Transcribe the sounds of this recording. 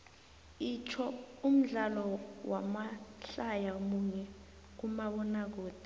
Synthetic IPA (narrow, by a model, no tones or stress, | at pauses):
it͡ʃʰɔum̩ɮalɔwamaɬajaomuɲɛ | k̬umaɓɔnak̬oːd̥ʱi